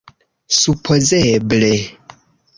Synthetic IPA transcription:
supʰozeble

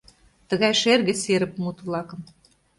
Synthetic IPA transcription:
t̪ə̆ɣɑjʃerɣĕseɾə̆p̚mut̪βlɑkɤ̆m

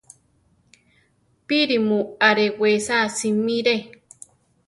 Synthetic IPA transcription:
piɾimũaɾewesasimĩɾe

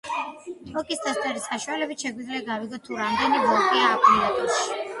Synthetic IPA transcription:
t̪ʼɔkʼist̪ʼast̪ʼɛɾisaʃualɛbit̪ʃɛɡwid̪zliaɡaviɡɔt̪ʰːuɾamd̪ɛnibɔlˠkʼiaːkʰʼund̪at̪ʼɔʃi̥

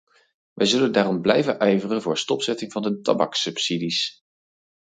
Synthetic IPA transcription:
ʋʔɛjzɵləndaːrɔmblɛjvənʔɛjvərənvʊːɹstɔpsɛtɪŋvɑndətɑ̰bɑ̰ksɵpsidis

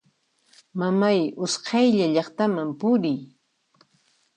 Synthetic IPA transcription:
mamajʊsqʰɑjʎaʎɑχt̪amampʊɾɪj

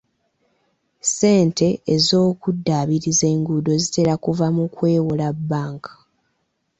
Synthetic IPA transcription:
se̞ːntʰe̞ːzo̞ːkudːaβiɾize̞ːŋɡudo̞zite̞ɾakuvamukwe̞ːwulabːaːŋkʰḁ

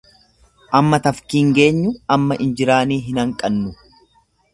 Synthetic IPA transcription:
ʔɐmːɐt̪ɐfkiːŋɡe̞ːɲːʊɐmːɐʔɪnd͡ʒɪɾaːniːɦɪnɐŋkʼɐnːʊ

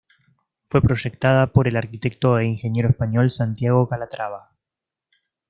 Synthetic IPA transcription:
fwe̞pɾo̞ʒe̞k̚t̪að̞apo̞ɾe̞laɾkit̪e̞k̚t̪oeiŋxe̞nje̞ɾoespaɲo̞lsant̪jaɣo̞kalat̪ɾaβa

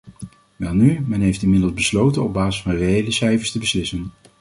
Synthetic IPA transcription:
ʋɛlˠnymɛnɦejftɪnmɪdəlˠzbəslowtənɔb̚baːzɪsfɑnrejejləsɛjvəɹstəbəslɪsən

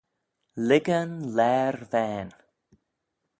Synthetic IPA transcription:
lɪɡənlɛɹvæn

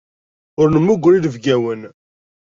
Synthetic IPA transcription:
ʊɾnəmːuɡʷːɾiðəvɡæwən

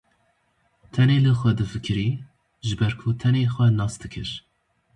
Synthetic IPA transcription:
t̪ʰɛneːlɨxʷɛd̪ɨfɨkʰɨɾiː | ʒɨbɛɾkʰut̪ʰɛneːxʷɛnɑːsd̪ɨkʰɨɾ

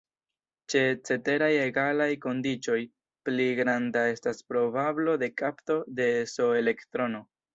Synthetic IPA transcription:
t͡ʃe̞t͡se̞te̞ɾaje̞ɡalajko̞ndit͡ʃo̞j | pliɡɾandae̞staspɾo̞bablo̞de̞kapto̞de̞so̞e̞le̞ktɾo̞no̞

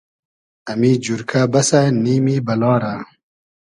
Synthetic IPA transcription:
ɐmiːd͡ʑuɾkʰabɐsaniːmiːbɐlɑːɾa

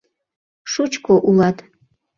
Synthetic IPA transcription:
ʃut͡ʃkoʔulˠɑt̪

